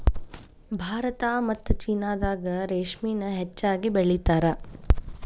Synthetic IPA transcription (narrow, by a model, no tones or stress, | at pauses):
bʱaːɾɐt̪aːmɐt̪ːut͡ʃiːnaːd̪aːɡɐɾeːʂmiːnɐɦet͡ʃːaːɡibeɭit̪aːɾɐ